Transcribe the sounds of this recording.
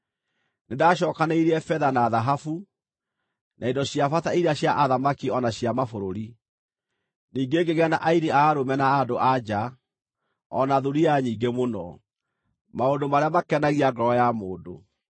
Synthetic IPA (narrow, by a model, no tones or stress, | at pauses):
nedaɕ̬ɔkaneiɾeɛfɛðanaːðaɦafu | nʔaindɔɕjafataiɾaɕjaʔaðamakiɔnaɕjamafoɾoɾi | niːŋɡeɡeɣɛnaʔaiɾiaːɾomɛnaːdoʔad͡ʑa | ɔnaðuɾiaɲiːŋɡemonɔ | maondomaɾeamakɛnaɣiaɡɔɾɔjamoːndo